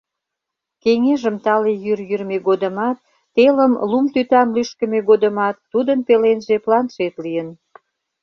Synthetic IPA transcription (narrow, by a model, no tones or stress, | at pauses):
keŋeʒəmt̪ɑlejyrjyrmeɡod̪əmɑt̪̚ː | eləmlumt̪yt̪ɑmlyʃkəmeɣod̪əmɑt̪ːud̪ənpelenʒeplɑnʃet̪lijən